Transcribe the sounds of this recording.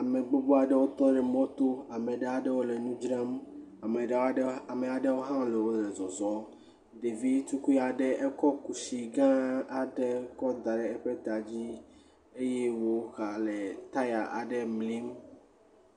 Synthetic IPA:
a˨me˨ɡ͡bo˦bo˦a˨ɖɛ˦wo˦t̪ɔ̃˦ɖɛ˨mɔ̃˦t̪o˦a˨mẽ˨ɖe˨a˨ɖɛ˦wo˦le˨nũ˦d͡ʒɾa˦ma˨me˨ɖe˨˦a˨me˨a˨ɖe˦wo˦ɦã˦le˨wo˦lɛ˨zɔ˨zɔ˦ | ɖe˨vi˦tu˦ku˦ja˨ɖɛ˦ʔɛ˦kɔ˦ku˨si˨ɡã˦a˨ɖɛ˦kɔ˦d̪a˨ɖɛ˨ɛ˦ɸe˦t̪a˨d͡ʑi˦ | e˦je˦wo˦xa˨le˨t̪a˦ja˨ʔa˨ɖɛ˦mli˦m

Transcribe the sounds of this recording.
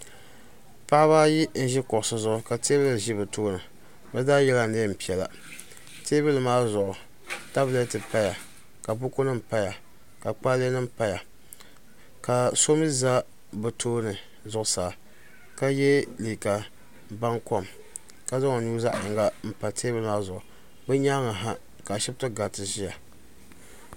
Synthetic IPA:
pa˦a˦βaː˦ji˦n̩˦ʒi˦kʊ˨ʔsɨ˦zʊ˨ʔʊ˨ka˨te˦blɨ˨ʒi˦bɨ˨toː˦nɨ˨ | bɛ˦daː˦jɛ˦la˦˨neː˦m̩˨pi˨ɛ˨la̰˨ | teː˦bɨ˦lɨ˨maː˦zʊ˨ʔʊ˨ | ta˦blɛ˦tɨ˨pa˦ja˨ | ka˨bʊ˦ko˦nɨ˦m̩˨pa˦ja˨ | ka˨k͡pa˦le˦nɨ˦m˦pa˦ja˨ | ka˨so˦mɨ˦za˦ | bɨ˨tʰoː˦nɨ˨ | zʊ˦ʔʊ˦saː˨ | ka˦jɛ˦liː˨ka˨ | ba˦ŋkɔ˦˨m | ka˦za˦ŋɔ˨nu˦za˦ʔɪ˨ŋɡa˦m̩˨pa˨tʰeː˦bɪ˦lmaː˦zʊ˨ʔʊ˨ | bɨ˦ɲa˦ŋa˨ɦa˦ | ka˨ʃɪ˦btɨ˦ɡa˨tɨ˨zi˦ja˨

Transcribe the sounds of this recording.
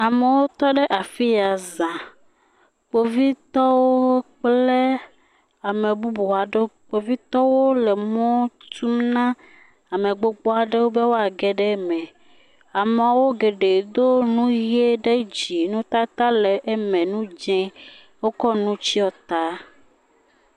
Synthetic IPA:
a˨me˨wo˦t̪ɔ˦ɖe˦ʔa˨fi˦a˨zã˨ | k͡po˨vi˦t̪ɔ˦wo˦k͡ple˦ | a˨mẽ˨bu˦bu˨a˨ɖe˦k͡po˨vi˦t̪ɔ˦wo˦lɛ˨mɔ̃˦t̪u˦mnã˦ | a˨mẽ˨ɡ͡bo˨k͡pɔ˦a˨ɖe˦wo˦be˦wo˦a˨ɡɛ˨ɖɛ˦mɛ̃˨ | a˨m˨a˨wo˦ɡe˨ɖe˨d̪o˦nũ˦je˦ɖe˦d͡ʑi˨nũ˦t̪a˦t̪a˦lɛ˨ʔe˦mɛ̃˨nũ˦d͡ʒɛ̃˦ | wo˦kɔ˦nũ˦t͡ɕi˦ɔ˦t̪a˦

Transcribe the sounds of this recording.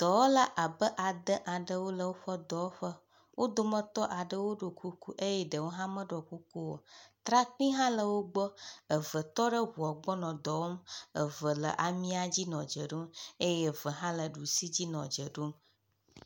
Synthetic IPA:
d̪̥ɔ˨wo˦la˦ʔa˨bə˦ʔa˨d̪ə˦ʔa˨ɖə˦wo˦lə˨wo˦ɸɔ˦d̪ɔ˨˦wɸə˦ | wʔo˦d̪o˨mə̃˦t̪ɔ˦ʔa˨ɖə˦wo˦ɖo˨ku˦ku˦ʔe˦jɛ˦ɖə˨wo˦ɦã˦mə̃˦ɖɔ˨ku˦ku˦wo̰˨t̪ɾa˦k͡pĩ˦ɦã˦lə˨wo˦ɡ͡bɔ˦ə˨və˨t̪ɔ˦ɖə˦ɦu˨ɔ˨ɡ͡bɔ˦nɔ̃˨d̪ɔ˨wo˦mə˨və˨lə̰˨ʔa˨mĩ˦a˨d͡ʑi˦nɔ̃˨d͡ʒə˨ɖo˦me˦jɛ˨və˨ɦã˦lə˨ɖu˨si˦d͡ʑi˦nɔ̃˨d͡ʒə˨ɖo˦m

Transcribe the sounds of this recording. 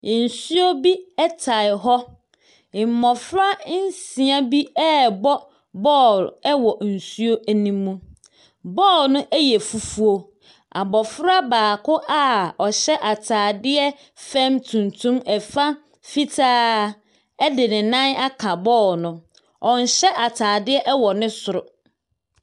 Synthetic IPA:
n̩˨su˦o˦bi˦ɛ˦tʰa˨ɪ˨ɦɔ˦˨ | m̩˨mɔ˨fɾa˦n̩˦sĩ˨a˦bi˦ɛ˦˨bɔ˦ | bɔ˦˨lɛ˦wɔ˨n̩˨su˦o˦æ˨nĩ˦mːũ˦ | bɔː˦˨lnʊ̃˦ʔɛ˦jɛ˨fu˨fu˦o˨ | a˨bɔ˨fɾa˦baː˨kʊ˦ʔa˦ɔ˨ɕɛ˦ʔa˨tʰaː˨dɪ˦ɛ˦ | fɛ̃˦mtʰũ˨ntʰũ˦mɛ˨fa˦ | fi˦tʰaː˦ | ɛ˦dɪ˨nɪ̃˨nã˦na˦kʰa˨bɔː˦˨lnʊ̃˦ | ɔ̃˨n̩˨ɕɛ˦ʔa˨tʰaː˨dɪ˦ɛ˦ʔɛ˦wɔ˨nɪ̃˦sʊ˨ɾʊ˨

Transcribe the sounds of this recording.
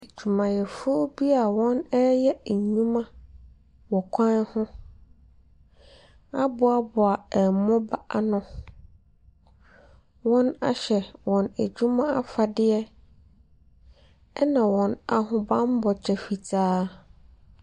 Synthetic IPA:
e˨d͡ʑᶣu˨mã˨jɛ˨fʊ˦o˦bi˦a˨wɔ̃˦nɛ˦jɛ˦˨ɲũ˦mã˦ | wɔ̃˨kʷʰã˦n˦hʊ̃˦ | a˦bʊ˦a˨bʊ˨a˨ɛ˨mʊ̃˦ba˦a˨nʊ̃˦ | wɔ̃˦na̰˦ɕɛ˨wɔ̃˨næ˨d͡ʑᶣu˦mã˦a˦fa˨dɪ˦ɛ˦ | ɛ˦nã˨wɔ̃˨na˨ɦʊ̃˨bã˦m˦bɔ˨t͡ɕʰɛ˨fi˨tʰaː˦

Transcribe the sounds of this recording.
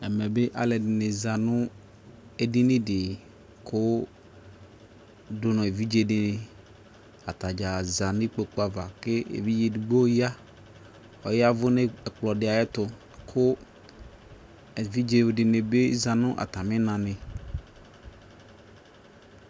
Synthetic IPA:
ɛ˨mɛ˨be˦ʔa̰˨lɛ˨dɪ˨nɪ˨za˨nʊ̃˦ | e˨di˦nɪ̃˦dɪ˨ | kʰʊ˦ | dʊ˦nɔ̃˨e˨vi˦d͡ʒe˦˨dɪ˨nɪ˨ | a˨t̪a˨d͡ʒa˨za˨nɪ̃˦k͡po˨k͡pa˨va˨kɪ˦ḛ˨vi˦d͡ʒe˨dɡ͡bo˦ja˦ | ɔ˨jɪ˦a˦vʊ˦nɪ˦ɛ˨k͡plɔ˨dɪ˨a˨jɛ˦t̪ʊ˨ | kʰʊ˦˨ | vi˦d͡ʒe˨dɪ˨nɪ̃˨be˦za˨nʊ̃˦ʔa̰˨t̪a˨mɪ̃˦nã˨nɪ̃˨

